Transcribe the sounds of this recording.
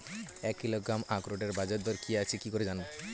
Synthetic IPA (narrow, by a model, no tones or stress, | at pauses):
ɛkilɔkːamakɾoʈeɾbad͡ʒɔd̪ɔɾkʰijaːt͡ʃʰikikɔɾid͡ʒanbɔ